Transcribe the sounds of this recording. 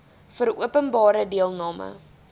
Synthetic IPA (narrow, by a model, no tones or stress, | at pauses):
fəɾuəpənbɑːɾədiəlˠnɑːmə̰